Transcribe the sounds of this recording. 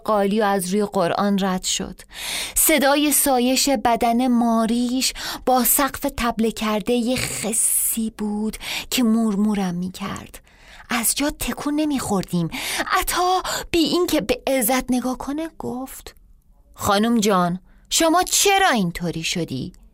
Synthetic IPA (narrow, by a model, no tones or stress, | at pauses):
ɢɒːlijɒæzɾuːjeɢoɾʔɒ̰ːnræd̪̥ʃo̰d̪̥se̞d̪ɒːje̞sɒːje̞ʃe̞bæd̪æne̞mɒːɾiːʃb̥ɒːsæɢfe̞t̪ʰæblecʰæɾd̪ejexesːiːbuːd̪̥cʰemuːɾmuːɾæmːiːcʰæ̰ɾd̪̥ | ʔæzd͡ʒɒːt̪ʰːe̞kʰuːnːe̞miːxo̞ɾd̪iːmʔæt̪ʰɒːb̥iːʔincʰe̞beːzːæt̪ʰne̞ɡɒːkʰo̞neɡ̥oft̪ | xɒːnumd͡ʒɒːn | ʃomɒːt͡ʃʰe̞ɾɒːiːnt̪ʰoːɾiːʃo̞d̪ḭː